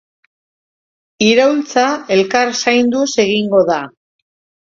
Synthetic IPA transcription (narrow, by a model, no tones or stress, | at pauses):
iɾawlt͡sae̞lkarsajnd̪use̞ɣiŋɡo̞ða